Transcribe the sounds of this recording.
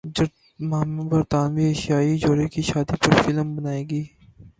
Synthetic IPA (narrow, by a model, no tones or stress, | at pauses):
d͡ʒɐɾ | maːmbɐɾt̪aːnʋieːʃjaːid͡ʒoːɾekiʃaːd̪ipɐɾfɪlmbɐnaːeːɡiː